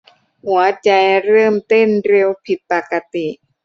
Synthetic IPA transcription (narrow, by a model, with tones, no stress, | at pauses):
hu˩˦ɐt͡ɕa˧jɾɤː˥˩mt̪o˥˩nɾe˧wpʰi˨˩t̪̚pa˨˩ka˧t̪i˨˩ʔ